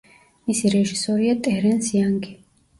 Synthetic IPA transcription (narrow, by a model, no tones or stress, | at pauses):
misiɾɛʒisɔɾiat̪ʼɛɾɛnsiaŋɡi